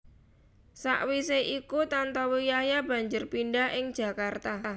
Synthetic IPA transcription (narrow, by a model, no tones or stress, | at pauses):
sa̰ʔwiseʔikut̪ant̪ɔwijahjab̥ä̤ɲd͡ʒʊrpinɖaɦɪŋd̥ʒ̥ä̤kart̪a